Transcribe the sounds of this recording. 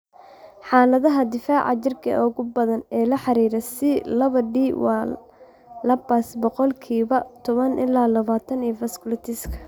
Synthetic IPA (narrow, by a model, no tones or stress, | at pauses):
ħaːlɐðɐɦɐd̪ɪfaːʕɑ̰t͡ʃɪrkʰɐ̰ʔɔɣʊbɐðɐnɛːlɐħɑɾiːɾɛsɪlɐβɐɖiːwɑː | lɐbasbɔqɔlkʰiːβɐt̪ʰɔβɐnʔɪ̰laːlɐβaːt̪ʰɐniːfɐskʊlɐt̪ʰɪskʰɐ̥